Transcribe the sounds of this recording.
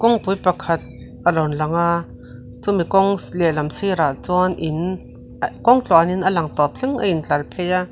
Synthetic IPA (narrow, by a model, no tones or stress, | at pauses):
kɔŋpujpakʰɐt̪̚ | ʔalɔnlaŋa | t͡sumikɔŋlɛlɐmsiɾat͡sɔnʔin | kɔŋt͡ɬɔaninəlaŋt̪ɔp̚t͡ɬʰɛŋa̰int͡ɬalpʰɛja